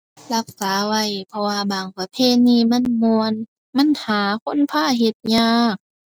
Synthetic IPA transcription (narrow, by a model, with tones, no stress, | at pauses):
la˧˩k̚saː˨˦wa˧˩˨jpʰɔ˧waː˧baː˨˩ŋpa˧pʰeː˧˨niː˧˩ma˧˥˨nmu˧ən | ma˧˥˨nhaː˨˦kʰo˧˥˨npʰaː˧˥˨ɦe˧˦t̪̚ɲaː˧˩k̚